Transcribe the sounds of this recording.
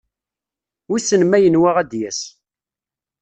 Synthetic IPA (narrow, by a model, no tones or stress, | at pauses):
isənmæjənwæʁæd̪jæs